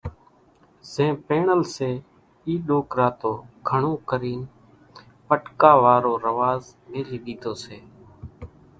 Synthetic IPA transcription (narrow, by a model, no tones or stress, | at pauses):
zẽːpeːɳəlseː | iːɗoːkɾaːt̪oːɡʱəɳõːkəɾiːn | pəʈkaːʋaːɾoːɾəʋaːzmeːliːɗiːt̪oːseː